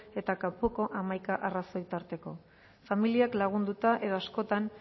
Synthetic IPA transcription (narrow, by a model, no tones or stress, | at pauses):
e̞t̪akapoko̞ʔamajkaʔaraso̞jt̪aɾt̪e̞ko̞̰ | familiaklaɣ̞und̪ut̪aʔe̞ðasko̞t̪an